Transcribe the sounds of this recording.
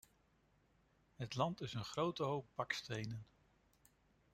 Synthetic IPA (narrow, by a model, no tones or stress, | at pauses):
ɦətlɑntɪsənχrowtəɦowp̚bɑkstejnən